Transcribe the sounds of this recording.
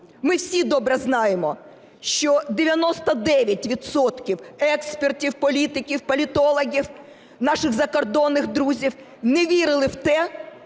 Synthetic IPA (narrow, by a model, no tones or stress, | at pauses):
mɪwsʲid̪ɔbɾɛznɑjemɔ | ʃt͡ʃɔd̪eʋʲjɐnɔst̪ɐd̪ɛʋʲjɐtʲʋʲid̪sɔt̪kʲiwɛkspertʲiwpɔlʲit̪ɪkʲiwpɔlʲit̪ɔlˠɔɦʲiw | nɑʃɪɣzɐkɔrd̪ɔnːɪxd̪ɾuzʲiw | neʋʲiɾɪlˠɪwt̪ɛ